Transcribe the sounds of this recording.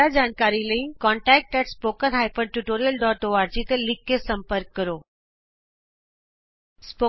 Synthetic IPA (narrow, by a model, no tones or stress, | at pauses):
ad͡ʑaːnkaːɾiləĩkɔːɳʈɛːk̚ʈɛʈspoːkə̃naːipəɳʈuʈoːɾijəlɖɔːʈoːaːɾd͡ʑit̪əlɪkːesɐ̃mpəɾkːəɾoː | spoː